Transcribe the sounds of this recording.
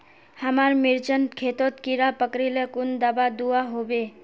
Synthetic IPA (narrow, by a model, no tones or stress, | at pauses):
həmaɾmiɾt͡ʃənkʰet̪ot̪kiɾapəkɾilekund̪əbad̪uaɦobe